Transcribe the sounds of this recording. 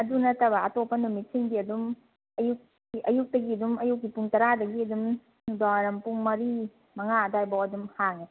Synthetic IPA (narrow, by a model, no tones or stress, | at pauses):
ɐdunɐtɐbaːtopːɐnumit̚siŋbiɐdum | ɐjuk̚ː | iʔɐjuk̚dɐɡiɐdumɐjuk̚ːipuŋtɐɾadɐɡiɐdum | nudaɐɾɐmpuŋmɐɾi | mɐŋaɐdajbawɐdumhaŋe